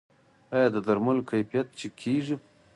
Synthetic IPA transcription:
ajɑd̪əd̪aɾmalokajfijat̪̚t͡ʃekʰeʐi

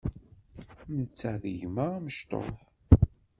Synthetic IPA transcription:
nət͡sːaðəʝməʁməʃt̪ˤo̰ħ

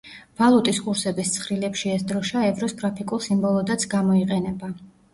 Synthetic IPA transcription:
v̥alˠut̪ʼiskʼuɾsɛbist̪sʰχɾilɛpʃiɛsd̪ɾɔʃaɛvɾɔsɡɾapʰikʼulˠsimbɔlˠɔd̪at̪sʰɡamɔiqʼɛnɛba

